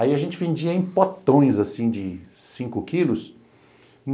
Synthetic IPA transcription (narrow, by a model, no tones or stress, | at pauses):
aiɐʒẽnt͡ʃɪvẽd͡ʒiɐẽpot̪õj̃zasĩd͡ʒɪsĩŋkʊkilʊs